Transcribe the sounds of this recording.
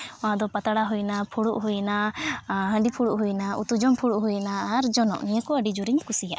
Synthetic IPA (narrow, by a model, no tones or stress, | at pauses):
ɔ̃ɦad̪ɔpat̪aɽaɦujnapʰuɽuʔɦujna | ɦə̃ɳɖipʰuɽuʔɦujnaut̪ud͡ʒɔmpʰuɽuʔɦujnaːɾd͡ʒɔnɔ̰ʔniɲakɔəɖid͡ʒuɾiɲkusija̰ʔ